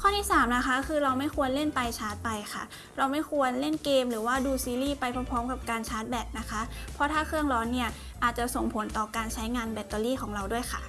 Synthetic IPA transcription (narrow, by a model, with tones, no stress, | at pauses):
kʰɔː˥˩t̪ʰiː˥˩saː˩˦mna˦˥xʰa˦˥kʰɯː˧ɾa˧wma˥˩jkʰu˧ənle˥˩npa˧jt͡ɕʰaː˦˥t̪̚pa˧jxʰa˥˩ | ɾa˧wma˥˩jkʰu˧ənle˥˩nkeː˧mɾɯː˩˦waː˥˩duː˧siː˧liː˥˩pa˧jpʰa˧pʰɔː˦˥mka˨˩p̚kaː˧nt͡ɕʰaː˦˥t̪̚bɛ˨˩t̪̚na˦˥kʰa˦˥pʰɔ˧˥t̪ʰaː˥˩kʰɯ˥˩əŋɾɔː˦˧˥nːi˥˩ɐ | ʔaː˨˩t̪̚t͡ɕa˨˩ʔso˨˩ŋpʰo˩˦nt̪ɔː˨˩kaː˧nt͡ɕʰa˦˥jŋaː˧nbɛ˨˧˩t̪ːɔː˧liː˥˩kʰɔː˩˦ŋɾa˧wdu˥˩əjkʰa̰˥˩